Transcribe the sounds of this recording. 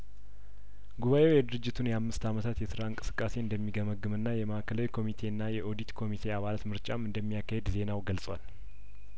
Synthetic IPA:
ɡuβaʔe̞wjɛd̪ɨɾɨd͡ʒːɪt̪ʰunjɛamːɨst̪amət̪ʰat̪jɛsɨɾaɨŋkʼɨsɨ̥kʼːase̞ɨnd̪əmːiɡəməɡɨmɨnːajɛməʔakʰəlawikʰo̞mit̪ʰe̞ɨnːajɛʔo̞d̪it̪kʰo̞mit̪ʰe̞aβalat̪mɨɾt͡ʃʼamɨnd̪əmːijakːahe̞d̪ze̞nawɡəlsʼwal

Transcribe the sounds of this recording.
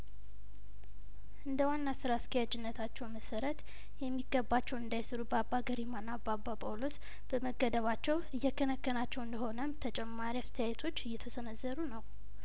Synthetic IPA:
ʔɨnd̪əwanːasɨɾask̪ʰəjad͡ʒɪnːət̪ʰat͡ʃːɛwməsəɾət̪ | jɛmːiɡːəbːat͡ʃːɛwɨnd̪ajsɨɾubəabːaɡəɾimanːabːababʰʼolos | b̥əməɡːəd̪əβat͡ʃːɛwɨjːɛkːənəkːənat͡ʃːɛwɨnd̪əho̞nəmt̪ʰət͡ʃʼɛmːaɾiast̪ʰəjajɛt̪ʰo̞t͡ʃːɨjːɛt̪ʰəsənəzːəɾunəw

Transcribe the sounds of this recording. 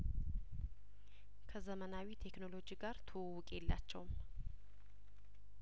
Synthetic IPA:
kʰəzəmənawit̪ʰe̞kno̞lo̞d͡ʒiɡaɾt̪ʰowːʊkʼelːa̰t͡ʃːɛwm

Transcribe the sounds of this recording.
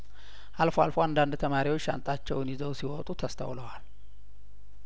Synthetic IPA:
ʔalfoalfoand̪and̪t̪ʰəmaɾiwot͡ʃːa̰nt̪ʼat͡ʃːɛwnizəwsiwɔt̪ʼut̪ʰəst̪ʰə̰wləwal

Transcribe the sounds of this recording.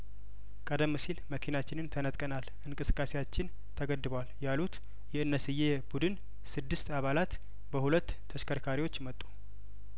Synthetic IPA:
kʼəd̪əmːɨsilməkʰinat͡ʃːɪnɨnt̪ʰənət̪ʼkʼənalʔɨŋkʼɨsɨ̥kʼːasejat͡ʃːɪn | t̪ʰəɡəd̪ːɨbəwaljalut̪ | jɛɨnːəsɨje̞bud̪ɨn | sɨd̪ːɨst̪aβalat̪ | bəhulət̪ːʰəʃkʰəɾkʰaɾiwo̞t͡ʃːmət̪ʼːu̥

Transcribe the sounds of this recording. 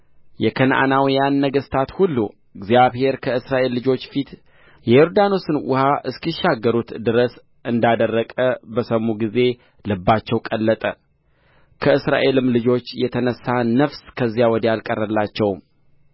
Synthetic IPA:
jɛkʰənʔa̰nawijanːəɡəst̪ʰat̪hulːṵ | ɨɡzijaβhe̞ɾkʰəɨsɾaʔe̞lːɨd͡ʒo̞t͡ʃːfit̪ | jɛjɔɾd̪anosɨnwʊ̰haʔɨskiʃːaɡːəɾut̪d̪ɨɾəs | ʔɨnd̪ad̪ərːəkʼəbəsəmuɡize̞ | lɨbːat͡ʃːɛwkʼəlːət̪ʼə | kʰəɨsɾa̰ʔe̞lɨmlɨd͡ʒo̞t͡ʃːjɛt̪ʰənəsːanəfskʰəzːjawɔd̪əjalkʼərːəlːat͡ʃːɛwm

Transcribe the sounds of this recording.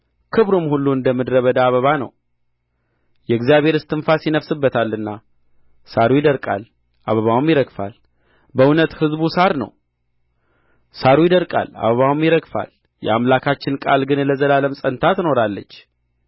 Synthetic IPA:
kʰɨβɾumhulːuɨnd̪əmːɨd̪ɾəβəd̪aːβəβanə̰w | jɛɨɡzijaβhe̞ɾɨst̪ʰɨnfasjɪnəβsɨbːət̪ʰalːɨnːa | saɾujɪd̪əɾkʼa̰l | ʔa̰βəβawmjɪɾəɡfa̰l | bəunət̪hɨzbusaɾnə̰w | saɾujɪd̪əɾkʼa̰la̰βəβawmjɪɾəɡfa̰l | jɛ̰amlakʰat͡ʃːɪnkʼa̰lɡɨnləzəlaləmsʼənt̪ʰat̪ɨno̞ɾalːə̰t͡ʃː

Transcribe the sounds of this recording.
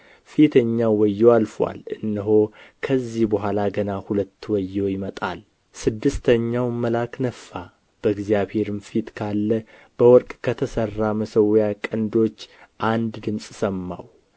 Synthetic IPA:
fit̪ʰəɲːawwɔjːoalfwa̰lɨnːɨɦo̞kʰəzːihbəɦʷalaɡənahulət̪ːwɔjːojɪmət̪ʼa̰l | sɨd̪ːɨst̪ʰəɲːawməlaknəfːa | b̥əɨɡzijaβhe̞ɾɨmfit̪kʰalːə | b̥əwɔɾkʼkʰət̪ʰəsərːaməsəwjakʼənd̪o̞t͡ʃːʔand̪d̪ɨmsʼsəmːa̰w

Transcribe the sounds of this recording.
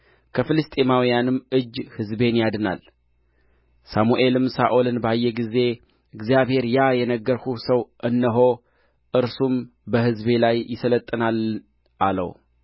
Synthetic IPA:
kʰəfɨlɨst̪ʼemawijanɨmːʔɨd͡ʒːhɨzbe̞njad̪ɨna̰l | samuʔe̞lɨmsaʔo̞lɨnbəajːɛɡize̞ | ɨɡzijaβhe̞ɾjajɛnəɡːəɾhusəwʔɨnːəɦo̞ | ʔɨɾsumbəhɨzbe̞lajːɪsələt̪ʼːɨnal | ʔalə̰w

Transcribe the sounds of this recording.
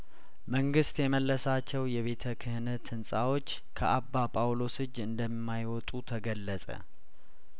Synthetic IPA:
məŋɡɨst̪jɛməlːəsat͡ʃːɛwjɛβe̞t̪ʰəkʰɨhnət̪ʰɨnsʼawo̞t͡ʃː | kʰəʔabːapʼawlo̞sɨd͡ʒɨnd̪əmmːajwɔt̪ʼut̪ʰəɡəlːəsʼə̰

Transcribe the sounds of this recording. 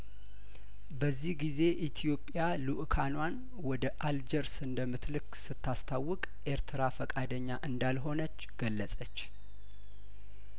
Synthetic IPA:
bəzːihɡize̞ʔit̪ʰijo̞pʼjaluʔkʰanwan | wɔd̪əʔald͡ʒəɾsɨnd̪əmːɨt̪lɨksɨt̪ʰːast̪ʰawːɔkʼʔeɾt̪ʰɨɾafəkʼad̪əɲːaʔɨnd̪alɦo̞nət͡ʃːɡ̥əlːəsʼət͡ʃː

